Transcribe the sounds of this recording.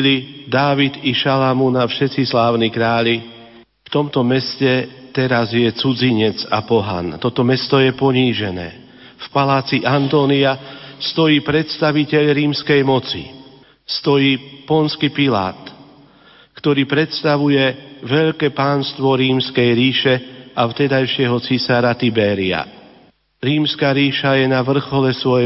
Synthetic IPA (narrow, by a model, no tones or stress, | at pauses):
lid̪aːʋit̪iʃalamunafʃɛt̪t͡sislaːʊnikɾaːʎi | ft̪ɔmt̪ɔmɛscɛt̪ɛɾazjɛt͡sud͡ziɲɛd͡za̰pɔɦa̰nt̪ɔt̪ɔmɛst̪ɔjɛpɔɲiːʒɛnɛ̰ː | fpalaːt͡siʔant̪ɔːniast̪ɔjiːpɾɛt̪st̪aʋicɛʎɾiːmskɛjmɔt͡sḭ | st̪ɔjiːpɔnskipila̰ːt̪ | kt̪ɔɾiːpɾɛt̪st̪aʋujɛʋɛʎkɛːpaːnst̪ʋɔɾiːmskɛjɾiːʃɛaft̪ɛd̪ajʃɪɛɦɔt͡sisaɾat̪ibɛːɾia̰ | ɾiːmskaːɾiːʃajɛnaʋr̩xɔlɛsʋɔjɛ